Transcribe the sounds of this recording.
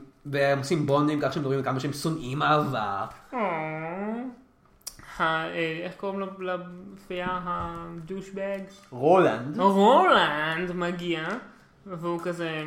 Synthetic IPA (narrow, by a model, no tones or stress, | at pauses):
veemosimbondimkaχʃemdoʁimlkamaʃeemsonʔimaavao | haeeχkoʁimlalafijaɦaduʃbeɡʁoland̪ʁolandmaɡia | veukaze